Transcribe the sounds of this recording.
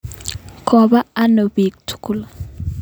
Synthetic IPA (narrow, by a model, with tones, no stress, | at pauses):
kʰɔ˨ba˦a˦no˨bi˨k̚tʰu̥˨ku˦˨l